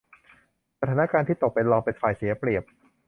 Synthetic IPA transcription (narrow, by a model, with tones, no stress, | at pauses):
sa˧t̪ʰaː˩˦na˦˥kaː˧nt̪ʰiː˥˩t̪o˨˩k̚pe˧nlɔː˧ŋpe˧nfaː˨˩jsi˨˩˦ɐpɾi˨˩əp̚